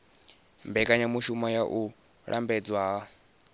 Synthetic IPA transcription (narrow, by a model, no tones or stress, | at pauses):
mbɛkʼaɲamuʃumajaʔu | ɺʔambɛd͡zwaɦa